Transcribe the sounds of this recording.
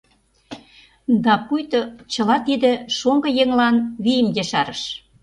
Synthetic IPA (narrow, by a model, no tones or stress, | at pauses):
d̪ɑpujt̪ŏt͡ɕɤ̆lɑt̪id̪ĕʃoŋɡɤ̆jeŋlɑnβijəmjeʃɑɾəʃ